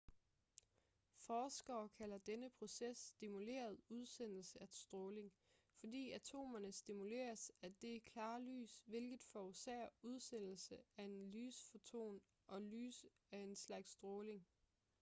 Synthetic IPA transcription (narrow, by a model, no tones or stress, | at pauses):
fɒːsɡ̥ɐːkʰælɐd̥enəpʰʁo̝sesd̥imule̝̰ːɐð̞̩ˠuð̞ˠsen̰l̩səæ̥sd̥ʁɔ̽ːle̝ŋ | fɒ̽d̥ḭːæt͡sʰo̝̰ːmɐnəsd̥imule̝̰ːɐsæd̥e̝ækʰlɑ̈ːly̰ːsʋe̝lɡ̥ð̩ˠfɒusḛɐuð̞ˠsen̰l̩səæɐe̝nlyːsfo̝t͡sʰo̝̰ːn | ʔɒ̽ly̰ːs | æɐe̝nslɑ̈ɡ̥sːd̥ʁɔːle̝ŋ